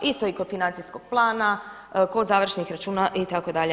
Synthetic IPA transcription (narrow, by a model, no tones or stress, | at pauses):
ist̪o̞ikod̪finant̪sisko̞ɡ̥̚plˠaːna | ko̞d̪zaːʋr̩ʃenixɾat͡ʃuːnaʔit̪akod̪aʎe